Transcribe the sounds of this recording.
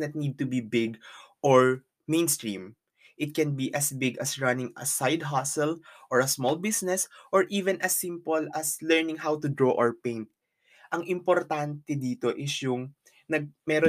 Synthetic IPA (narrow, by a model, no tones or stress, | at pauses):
nɐt̪̚niːd̪̚t̪ʊbibɪɡʔoɹ | mẽjnst̪ɹḭ̃ːm | ʔɪt̪̚kɛnbiʔɐsbɪɡɐsɹɐnɪ̃ŋɐ̰sajd̪ɦasɛlʔoɹɐsmɔlbisnɛsʔɔɹʔiːvɛ̃nʔɐsːĩmpolɐslɛɹnɪ̃ŋɦawt̪ʊd̪ɹoːʔɔɹpẽjnt̪̚ | ʔɐŋʔɪ̃mpoɾt̪ant̪ɛd̪iːt̪o̞ʔɪsjʊŋ | nɐɡ̚mɛɾo